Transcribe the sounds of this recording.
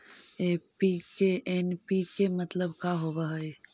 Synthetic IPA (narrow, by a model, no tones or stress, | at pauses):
eːpikeʔenpikemɐt̪ləbkaɦobaɦɐe